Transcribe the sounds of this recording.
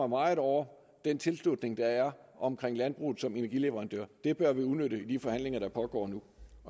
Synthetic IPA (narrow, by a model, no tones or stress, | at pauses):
ɐmɑ̈ɪð̩ˠɒʊ̰ɐ | d̥ent͡sʰe̝lslud̥ne̝ŋd̥ɑ̈æɐɒ̽mkʰʁeŋ̰lænb̥ʁṵːð̩ˠsɒ̽me̝næɐɡ̥ile̝ʋəʁɑ̈nd̥ø̰ɐ̰d̥e̝b̥ɶɐʋiuðˠnøɾəid̥ifɒ̽hæn̰le̝ŋɐɾ̥ɑ̈pʰɒ̽ɡ̥ɒ̰ːnu | ɒ